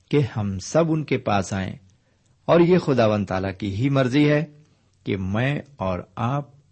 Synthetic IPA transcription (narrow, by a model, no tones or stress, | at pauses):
kehɐmsɐbʊnkepaːsaːḛ̃ | ɔːɾjexʊd̪aːʋə̃nt̪a̰ːlakiɦimɐɾziɦɛ | kḛmɛ̃ːɔːɾaːp̚